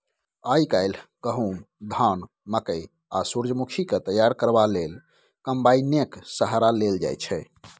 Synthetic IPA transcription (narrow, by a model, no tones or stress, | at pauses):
ajkaɪlɡəɦum | d̪ʱan | məkəj | asuɾd͡ʒəmukʰiket̪əjaɾkəɾbalel | kəmbajnjəksəɦaɾaleld͡ʒa̰jt͡ʃʰɛ